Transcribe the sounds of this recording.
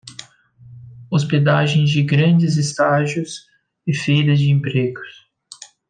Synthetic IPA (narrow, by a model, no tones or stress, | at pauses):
osped̪aʒẽj̃zd͡ʒɪɡɾɐ̃d͡ʒɪzɪst̪aʒʊs | ɪfejɾɐzd͡ʒɪẽmpɾeɡʊs